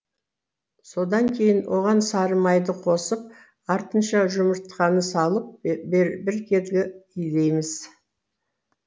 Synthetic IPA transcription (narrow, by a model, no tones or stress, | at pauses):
so̞d̪ɑŋkʲʰe̞jɪnwʔo̞ʁɑnsɑɾəmɑjd̪əqʰo̞səp̚ | ɑɾt̪ənʃɑʒʊməɾt̪qɑnəsɑlˠəp̚bɪɾkʲʰe̞d̪ɡʲɪijd̪e̞jmɪz̥